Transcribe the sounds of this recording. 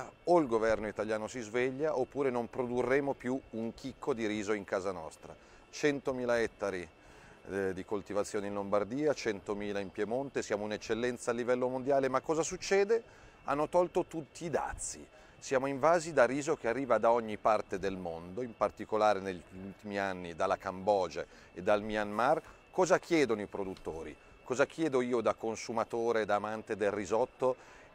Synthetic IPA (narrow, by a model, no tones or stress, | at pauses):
oilɡovɛrnoit̪aljaːnosizveʎːaʔopːuːɾenompɾod̪urːeːmopjuuŋkʰikːod̪iɾiːzoiŋkaːzanɔ̰st̪ɾa̰ | t͡ʃɛnt̪omiːlaɛt̪ːaɾi | d̪ikolt̪ivat̪sːjoːneinlombard̪iːat͡ʃɛnt̪omiːlaimpjemont̪esjaːmoinet͡ʃːelːɛnt̪saːlːivɛlːomond̪jaːlemakːɔːzasut͡ʃːɛːd̪e | a̰nːot̪ɔlt̪ot̪ut̪ːiːd̪a̰t̪sːḭ | sjaːmoiɱvaːzid̪ariːzok̟earːiːvad̪aɔɲːipart̪ed̪elmond̪oimpart̪ikolaːɾeneʎːult̪imianːid̪alːakambɔːd͡ʒa̰ | ed̪ːalmianmar | kɔːzakjɛːd̪onoipɾod̪ut̪ːo̰ːɾḭ | kɔːzak̟jɛːd̪oiːod̪akonsumat̪oːɾed̪aːmant̪ed̪elːizɔt̪ːo